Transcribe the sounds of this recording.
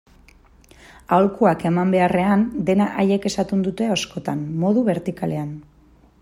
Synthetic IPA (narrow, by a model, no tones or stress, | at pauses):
awlkuake̞mambe̞are̞and̪e̞naʔaje̞ke̞sat̪und̪ut̪e̞osko̞t̪anmo̞ðuβe̞ɾt̪ikale̞an